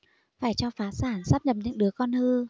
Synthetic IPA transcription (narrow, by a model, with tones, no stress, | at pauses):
faː˧˩jt͡ɕɔ˧faː˨˦saː˧˩nsaː˦˥p̚ɲə˨˩p̚ɲɨ̰˧˥ŋɗɨ˨˦əkɔ˧nhɨ˧